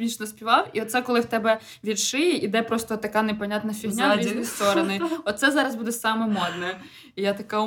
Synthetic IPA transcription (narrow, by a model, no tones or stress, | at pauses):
it͡ʃnɔsʲpʲiʋɑwiɔt̪sɛkɔlˠɪwt̪ɛbɛ | ʋʲid̪ʃɪjɛʔid̪ɛpɾɔst̪ɔt̪ːɐkanepɐnʲat̪nɐfʲiɦnʲaist̪ɔɾɔnɪɔt̪t̪sɛzɑɾɐzbud̪ɛsɑmɛmɔd̪nɛ | jat̪ɐka